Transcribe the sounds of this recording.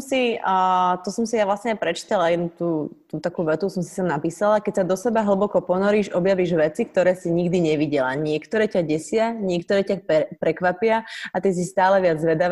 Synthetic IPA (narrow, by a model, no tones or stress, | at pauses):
msi | t̪ɔsɔmsijaʋlasɲɛaɪpɾɛt͡ʃi̥t̪alajɛnut̪uːt̪uːt̪akuːʋɛt̪usɔmsi̥samnapiːsalakɛcsad̪ɔsɛbaɦl̩bɔkɔpɔnɔɾiːʃɔbjaʋiːʒʋɛt͡sik̚t̪ɔɾɛːsiɲiɡd̪iɲɛʋiɟɛlaɲɪɛkt̪ɔɾɛːcaɟɛsɪaɲɪɛkt̪ɔɾɛːcapɛpɾɛkʋapɪaat̪is̬ist̪aːlɛʋɪad͡zzʋɛd̪aʋ